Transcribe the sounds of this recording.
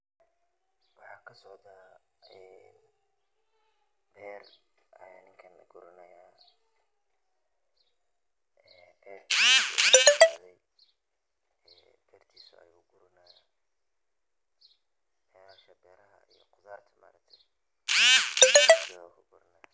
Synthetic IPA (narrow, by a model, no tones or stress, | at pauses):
wɑħɑːkʰɐsɔʕt̪ʰa | ɛ | b̥ɛːrɐjaːnɪŋkʰɐnɐɡʊɾɪnɐjaː | ɛ | bɛːrt̪ʰiuɐsa̰ʕðɛj | ɛ | b̥ɛːrt̪ʰiːsʊɐ̰jʊɡʊɾʊnɐja | bɛːɾaːʃɐbɛːɾɐɦɐ̰ijɔqʊðaːrt̪ʰɐma̰ːɾɐk̚t̪ʰɛj | ad̪ɪwa̰kʰʊɡʊɾɪnɐja